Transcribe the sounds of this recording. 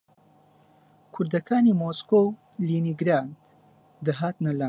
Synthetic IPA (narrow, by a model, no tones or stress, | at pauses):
kʰʊɾd̪ɐkʰaːnimoːskow | liːniɡɾaːnd̪ | d̪ɐɦaːt̪nɐla